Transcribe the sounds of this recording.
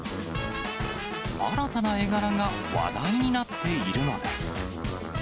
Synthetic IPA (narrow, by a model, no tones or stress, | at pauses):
a̰ɾat̪anae̞ɡaɾaŋa | βa̰d̪aiɲ̟inat̪ːe̞iɾɯ̟no̞d̪e̞̰sɨ̥